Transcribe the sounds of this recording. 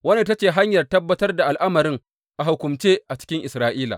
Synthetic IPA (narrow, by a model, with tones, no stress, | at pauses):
wɐ˦ne˦˨t̬ɐ˦t͡ʃeː˨ɦa˦ɲjɐ˨rtɐ˦bːɐ˦tɐ˦rda˨ʔa˨lʔa˦mɐ˨ɾɪ˦ŋ | ʔa˨hʊ˨kʷʊ˨mt͡ʃeː˦ʔa˨t͡ʃɪ̥˦kʲɪ˦ŋʔɪ˨sɾaː˦ʔiː˦la̰˨